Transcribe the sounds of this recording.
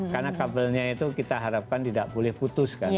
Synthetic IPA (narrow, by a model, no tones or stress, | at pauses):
karnakabəlɲait̪ukit̪aɦaɾap̚kant̪idaʔbolɛhput̪ʊska